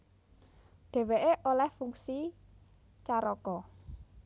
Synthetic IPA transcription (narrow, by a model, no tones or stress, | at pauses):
ɖ̥e̤weʔeʔolɛhfuŋsi | t͡ʃaɾɔkɔ